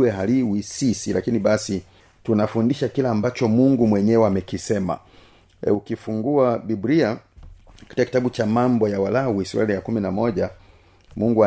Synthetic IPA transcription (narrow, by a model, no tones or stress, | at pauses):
ɛɦaliwisisilʔa̰kiniɓasi | tunafundiʃakilaːmbat͡ʃɔmuŋɡumwɛɲɛɛamɛkisɛma̰ | ukifuŋɡuabibɾia | kḁtikaki̥taɓut͡ʃamambɔjawalawuisw̰ɛlijakuminamɔʄa | muŋɡua